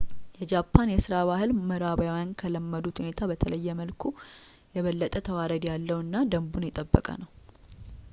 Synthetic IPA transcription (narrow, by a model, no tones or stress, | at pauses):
jɛd͡ʒapʰːanjɛsɨɾaβahɨlməɾabjawjankʰələmːəd̪ut̪hune̞t̪ʰabət̪ʰələjːɛməlkʰu | jɛβəlːət̪ʼət̪ʰəwaɾəd̪jalːəwɨnːad̪əmbunjɛt̪ʼəbːə̰kʼə̰nəw